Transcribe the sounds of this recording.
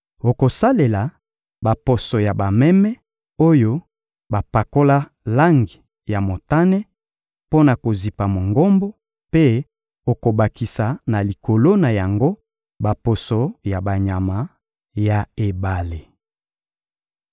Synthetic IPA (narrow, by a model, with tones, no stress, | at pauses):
o˨ko˨sa˦le˨la˨ | ba˨po˨so˨ja˨ba˨mɛ˦mɛ˦ | o˦jo˦ | ba˨pa˨ko˦la˦ | la˦ŋɡi˨ | ja˨mo˨ta˦nɛ˦ | po˦na˨ko˨zi˨pa˨mo˨ŋɡo˦mbo˦ | pe˦ | o˨ko˨ba˨ki˨sa˨na˨li˨ko˨lo˦na˨ja˨ŋɡo˦ | ba˨po˨so˨ja˨ba˨ɲa˨ma˨ | ja˨e˨ba˨le˨